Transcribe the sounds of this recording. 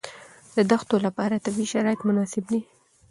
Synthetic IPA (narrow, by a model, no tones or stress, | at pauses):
d̪əd̪axt̪olapɑɾat̪abiʃaɾɑɪt̪mʊnɑsɪbni